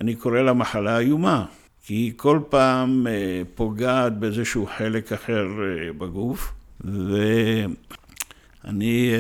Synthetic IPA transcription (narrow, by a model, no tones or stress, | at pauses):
aniko̞ʁelamaħalaːjuma | kiko̞lpaːmpo̞ɡaːt̪̚beezeʃuːħe̞lekaħeʁbaɡufve | a̰ni